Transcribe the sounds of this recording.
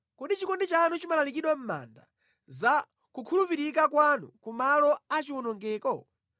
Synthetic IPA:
kɔɗit͡ʃikɔndit͡ʃanut͡ʃimalalikiɗwam̩ma̰nda̰ | za | kukʰulupiɾikakwanṵkumalɔat͡ʃiwɔnɔŋɡɛːkɔ̰

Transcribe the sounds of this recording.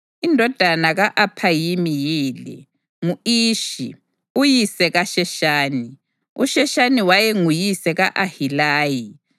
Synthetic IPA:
indʱɔd̥ʱanaɣaʔapʰajimijiːlɛ̰ | ŋuiːʃḭ | ujisɛɣaʃɛʃaːni | ṵʃɛʃaniwajɛŋujisɛɣaʔahilaːji

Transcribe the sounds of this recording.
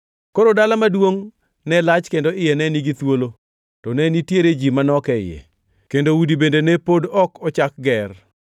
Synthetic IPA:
koɾodalamadwoŋ | nɛlat͡ʃkendoɪjɛnɛniɡit̪wolo | tɔnɛnitjeɾed͡ʒimanɔkɛɪ̰jɛ̰ | kendowudibendenepodɔkɔt͡ʃak̚ɡɛr

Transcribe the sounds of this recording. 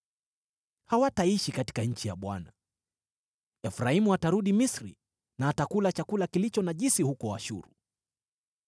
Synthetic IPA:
hawataiʃikati̥kaɲ̩t͡ʃija̰ɓwa̰na | ɛfɾaimuataɾuɗimisɾḭ | naːtakulat͡ʃakulakilit͡ʃɔnaʄisihukɔaʃṵɾṵ

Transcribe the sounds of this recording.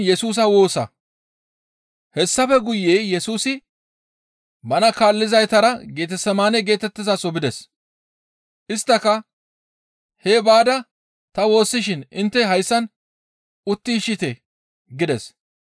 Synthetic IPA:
jɛsuːs̬ɐwo̞ːsɐ̰ | hɛsːɐfɛɡʊjːe̞ːjɛsuːsɪ | bɐnɐkaːlːɪzɐjt̪ɐɾɐɡe̞ːt̪ɛsɐmaːnɛɡe̞ːt̪ɛt̪ːɪzɐsʼɔbɪd̪ɛs | ʔɪst̪ːɐkɐ | heːbaːd̪ɐ | t̪ɐwo̞ːsːɪʃɪnɪnt̪ːɛɦɐjsːɐn | ʊt̪ːiʃɪt̪ɛ | ɡɪd̪ɛs

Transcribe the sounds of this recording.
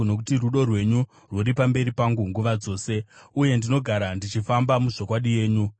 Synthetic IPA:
no̞k̬utiruɗo̞rwe̞ɲu | rwoɾipambe̞ɾipaŋɡuŋɡuʋad͡zo̞ːse̞uje̞ndino̞ɡʱaɾandit͡ʃifambamuʐo̞kwaɗije̞ːɲu

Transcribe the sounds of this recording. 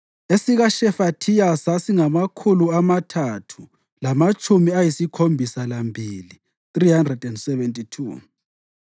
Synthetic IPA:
esiɣaʃɛfatʰijasasiŋamakʰuluamatʰatʰu | lamat͡ʃʼumiajisikʰombʱisalambʱiːli | θrihandrɛdɛndsɛvɛntʼitʰṵː

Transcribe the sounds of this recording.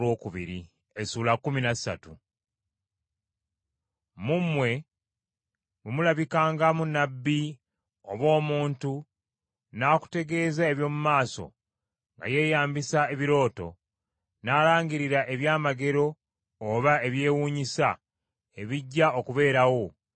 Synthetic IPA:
wo̞ːkuβḭɾi | esuːlakːuminassa̰tu | mumwe̞ | βumulaβikaːŋɡamunːabːi | oβwo̞ːmuːntu | naːku̥te̞ɡe̞ːzae̞βjo̞ːmumaːso̞̰ | ŋɡa̰je̞ːjaːmbisae̞βiɾo̞ːto̞̰ | naːɾaːɲɡiɾiɾaʔe̞βjaːmaɡe̞ɾo̞ː | βae̞βje̞ːwuːɲisa | e̞βiɟːao̞kuβe̞ːɾawo̞

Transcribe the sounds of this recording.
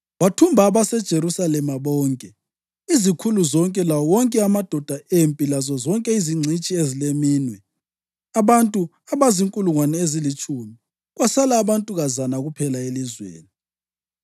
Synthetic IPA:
watʰumbʱaːβasɛd̥ʒ̥ʱeɾusalɛmaβɔːŋkʼɛ | izikʰuluzɔŋkʼɛlawɔwɔŋkʼɛamad̥ʱɔd̥ʱaʔempʼilazɔzɔŋkʼɛiziŋ͡ǀʱit͡ʃʼiezilemiːnwɛ | aβantʼu | aβaziŋkʼuluŋwanɛezilit͡ʃʼumi | ɣwasalaːβantʼuɣazanaɣupʰɛlaelizwḛːni

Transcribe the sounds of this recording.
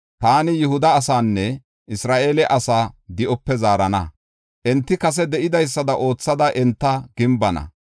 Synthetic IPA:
t̪aːnɪjʊhʊd̪ɐːsaːnːɛ | ɪsɾaːʔe̞ːlɛʔɐsaːd̪ɪʔɔpːɛzaːɾɐnɐ̰ | ʔɛnt̪ːɪkɐs̬ɛd̪ɛʔɪd̪ɐjs̬ːɐd̪ɐʔo̞ːt͡sːɐd̪ɐʔɛnt̪ːɐɡ̥ɪmbɐnɐ̰

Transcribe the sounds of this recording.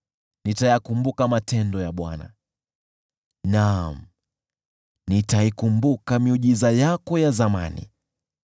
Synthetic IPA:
nitajakumbukamatɛndɔjaɓwana̰ | nam̩ | nitaikumbukamiuʄizajakɔjazama̰nḭ

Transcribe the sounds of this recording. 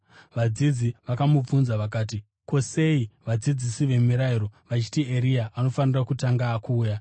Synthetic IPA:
ʋad͡zid͡ziʋakamub͡vunzaʋakaːt̬i | ko̞se̞iʋad͡zid͡zisiʋe̞miɾaiɾo̞ʋat͡ʃi̥tie̞ɾijaʔano̞fanirakutaŋɡaːkuːja

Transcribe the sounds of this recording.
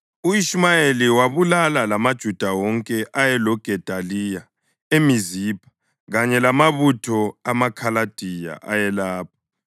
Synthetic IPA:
uiʃimajeliwaβulalalamad̥ʒ̥ʱud̥ʱawɔŋkʼɛʔajɛlɔɡ̥ʱɛd̥ʱalija | emizipʰḁ | ɣaɲɛlamaβutʰɔamakʰalad̥ʱija̰ʔajɛlaːpʰḁ

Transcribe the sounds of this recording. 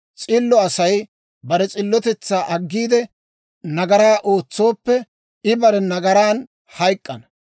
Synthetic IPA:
t͡sʼɪlːɔɐsɐj | bɐɾɛt͡sʼɪlːɔt̪ɛt͡sːaːʔɐɡːiːd̪ɛ | nɐɡɐɾaːʔoːt͡sːo̞ːpːɛ | ɪbɐɾɛnɐɡɐɾaːn | hɐjkʼːɐnɐ

